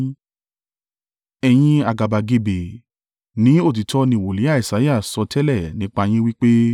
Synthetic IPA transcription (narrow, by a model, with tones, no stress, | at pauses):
ɛ˧j̃ĩ˧a˨ɡa˨ba˨ɡe˧be˨ | nĩ˨˦o˦˨t̬i˨tɔ˧˦nĩ˧˨wo˨li˨˦a˦˨i˨sa˨˦ja˦˨sɔ˧tɛ˦lɛ˦˨nĩ˨˦k͡pa˧j̃ĩ˦wi˦k͡pe˦